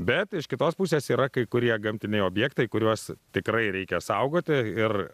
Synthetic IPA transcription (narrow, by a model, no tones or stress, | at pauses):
bʲɛt̪ɪʃkʲɪt̪oːspusʲeːsiːɾɐkɐɪkʊɾʲiɛɡɐmʲt̪ʲɪnʲɛɪoːbʲjɛːkt̪ɐɪkʊɾʲuɔst̪ʲɪkɾɐɪɾʲɛɪkʲɛsɐʊɡoːt̪ʲɪɪr